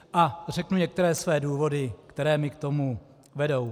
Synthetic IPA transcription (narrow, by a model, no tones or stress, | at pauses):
ʔar̝ɛknuɲɛk̚t̪ɛɾɛːsvɛːduːvo̞dɪkt̪ɛɾɛːmɪkt̪o̞mu | vɛdo̞w